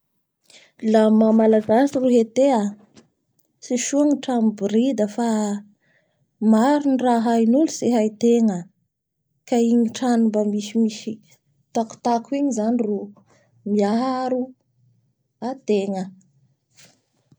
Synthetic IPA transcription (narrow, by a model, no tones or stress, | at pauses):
lamamalaɡasiruɦet̪ea | siʃuaŋiʈ͡ʂambiɾid̪əfa | maɾuniraɦainuluseɦajt̪eŋə | kaiɲiʈ͡ʂanumbəmisimisi | t̪aku̥t̪akuiɲizaniru | miaɦaɾu | at̪eŋə